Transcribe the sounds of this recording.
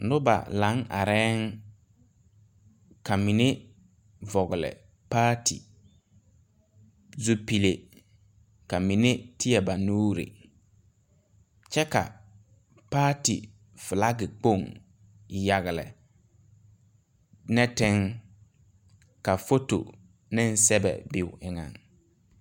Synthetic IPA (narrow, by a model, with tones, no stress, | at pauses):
nʊ˦ba̰˨la˨˦ŋa̰˨ɾɛː˦ŋ | ka˨mi˨ne˦ | vɔ˨ɣʊ˨lɪ̰˨ | paː˦tḭ˨ | zu˦pi˨le˨ | ka˨mi˨ne˦tɪ˦jɛ˨ba˨nuː˦ɾɪ̰˨ | t͡ʃɛ˦ka̰˨ | paː˦tḭ˨ | vɪ˨la˦ɡɪ˨k͡po˦˨ŋ | ja˨ɣɪ˨lɪ̰˨ | nɛ˦tɪ˦ŋ | ka˨fo˦to̰˨ | nɪ̃˦n˦sɛ˦bɛ̰˨bɪ˨wʊ˨ɪ˨ŋa̰˨ŋ